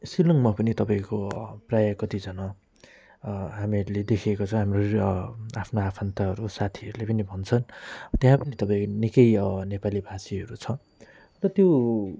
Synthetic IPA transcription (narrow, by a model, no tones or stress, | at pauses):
silʌŋmapʌnit̪ʌpãĩkoprajʌkʌt̪id͡zʌnʌ | ɦamiʌɾuled̪ekʰekot͡sʰʌ̃ɦamro | apʰnoapʰʌnt̪ʌɦʌɾusat̪ʰiʌɾulepʌnibʱʌnt͡sʰʌnt̪jãpʌnit̪ʌpãĩkonikʌjʌnepalibʱasiɦʌɾut͡sʰʌ | rʌt̪jo